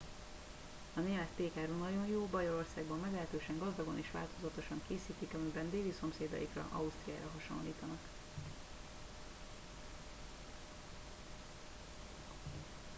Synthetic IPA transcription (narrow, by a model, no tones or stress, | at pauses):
ɒneːmɛt̪ːeːkaːɾuːnɒɟo̞njoːbɒjoɾo̞rsaːɡbɒmːɛɡlɛɦɛt̪øːʃɛŋɡɒzd̪ɒɡo̞niʃʋa̰ːlt̪o̞zɒt̪o̞ʃɒŋkeːsiːt̪ikɒmibɛnd̪eːliso̞mseːd̪ɒ̰jikrɒ̰ʔɒust̪ria̰ːɾɒɦɒʃo̰nlːiːt̪ɒnɒk